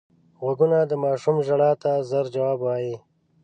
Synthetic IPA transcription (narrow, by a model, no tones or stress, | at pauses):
ɣaɡunad̪əmɑːʃumʒaɽɑːt̪azaɾd͡ʒawɑːbwaːji